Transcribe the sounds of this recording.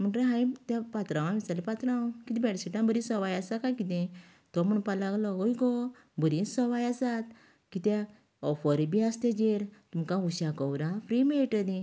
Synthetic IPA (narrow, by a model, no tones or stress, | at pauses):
m̤əɳʈɾeɦãjt̪ãpat̪ɾãʋãʋisalipat̪ɾãwkit̪ĩbɛɽsiʈãbəɾĩsɔʋajasakajkit̪ɛ̃ | t̪ɔm̤uɳpalaɡlɔojɡɔ | bəɾĩsɔʋajasat̪ | kit̪ɛ̃ | ɔfɔɾibiast̪ɛd͡ʑeɾt̪umkãuɕakɔwɾãfɾimeʈəd̪ĩ